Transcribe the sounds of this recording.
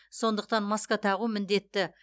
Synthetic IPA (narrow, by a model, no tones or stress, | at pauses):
so̞nd̪əq̚t̪ɑnmɑskɑt̪ʰɑʁumɪnd̪e̞t̪ːɪ